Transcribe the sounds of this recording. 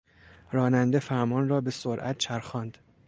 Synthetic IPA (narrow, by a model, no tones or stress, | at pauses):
ɾɒːnænd̪e̞fæɾmɒːnrɒːbe̞soɾʔæ̰t̪̚t͡ʃʰæɾxɒːnd̪̥